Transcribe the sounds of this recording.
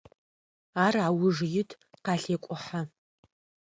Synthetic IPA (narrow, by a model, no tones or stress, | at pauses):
aːraːwʊʐjɪtʰ | qɑːɬeːkʷʼʊħa